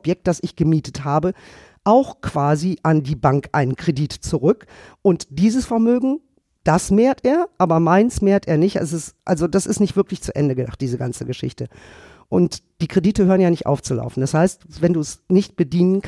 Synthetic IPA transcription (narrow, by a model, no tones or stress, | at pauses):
pjɛk̚t̚d̥asɪçɡ̥əmiːtə̥thaːbə | ʔaʊxkv̥aːziʔandiːbaŋkʔa̰ɪnənkʁ̥ediːtt͡suʁʏkʔʊntd̥iːzəsfɛɐmøːɡŋ̩ | d̥asmeːɐtʔeːɐʔaːbɐmaɪnsmeːɐtʔeːɐnɪçtʔa̰s̬ɪsʔalzodasɪstnɪçtv̥ɪɐklɪçt͡suʔɛ̰ndəɡədaχtd̥iːzəɡant͡səɡəʃɪ̰çtə | ʔʊntd̥iːkʁ̥ediːtəhøːʁnjaːnɪçtʔa̰ʊft͡sula̰ʊfn̩d̥ashaɪstvɛnduːɛsnɪçt̚b̥ədiːnənkʰ